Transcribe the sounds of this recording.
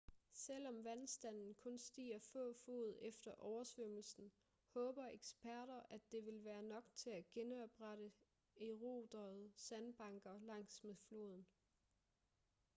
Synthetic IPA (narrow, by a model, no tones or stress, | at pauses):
sel̰ɒ̽mʋænsd̥æn̰n̩kʰɔ̽nsd̥ḭːɐfɔ̰̽ːfo̝̰ːð̞̩ˠefd̥ɐʔɒʊɐsʋøml̩sn̩ | hɔ̽ːb̥ɐʔeɡ̥sb̥ʰæɐ̰ɾ̥ɐʔæd̥e̝ʋe̝lʋæːɐnɒ̽ɡ̥t͡sʰe̝æɡ̥enɒ̽b̥ʁɑɾə | e̝ʁo̝ːd̥ɐð̩ˠsænb̥ɑ̈ŋɡ̥ɐlɑ̈ŋ̰smeðˠflo̝̰ð̞ˠn̩